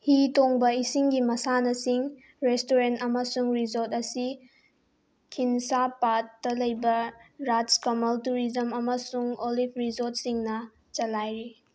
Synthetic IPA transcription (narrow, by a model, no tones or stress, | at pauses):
hitoŋbɐisiŋɡimɐsanɐsiŋ | ɾestoɾentɐmɐsuŋɾizoɾtɐsi | kʰinsapatːɐlɐjbɐɾatskomɐltuɾizɐmɐmɐsuŋolipʰɾizot̚siŋnɐ | t͡ʃɐlajɾi